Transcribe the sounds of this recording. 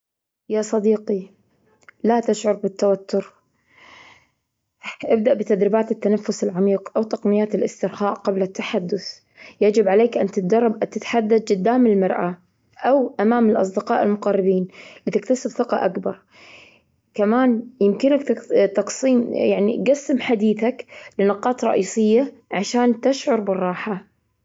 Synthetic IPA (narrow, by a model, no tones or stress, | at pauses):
jasˤɑd̪iːqi | lat̪aʃʕʊɾˤbɪt̪ːawat̪ːʊɾ | ʔɪb̚d̪aʔbɪt̪ad̪ɾɪbaːt̪ɪt̪ːanafːʊsɪlʕamiːqʔawt̪ɑqnɪjːaːt̪ɪlʔɪst̪ɪɾxaːʔqablat̪ːaħad̪ːʊθ | jad͡ʒɪbʕaleːkʔant̪ɪt̪d̪ɑrˤːɑbʔat̪ɪt̪ħad̪ːad̪̚d͡ʒɪd̪ːaːmɪlmɑɾˤʔa | ʔawʔamaːmɪlʔɑ̰sˤd̪ɪqɑːʔɪlmʊqɑrˤːɪbiːnlɪt̪ɪk̚t̪asɪbθɪqɑ̰ʔakbɑɾˤ | kamaːnjɪmkɪnak̪t̪ɑqsˤiːmjaʕnḭɡasːɪmħad̪iːθaklɪnʊqɑːt̪ɾˤɑ̰ʔiːsˤɪjːaʕaʃaːnt̪ɪʃʕʊɾˤbɪrˤːɑːħa